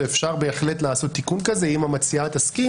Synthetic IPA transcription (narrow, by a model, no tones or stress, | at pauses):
efʃaʁbe̞ːχle̞tlaːso̞t̪ːikunkaze̞imamat͡siat̪aski